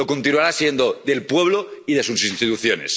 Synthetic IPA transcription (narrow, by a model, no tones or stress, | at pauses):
okont̪inuaɾasje̞nd̪oðe̞lpwe̞βloiðe̞susinst̪it̪uθjone̞̰s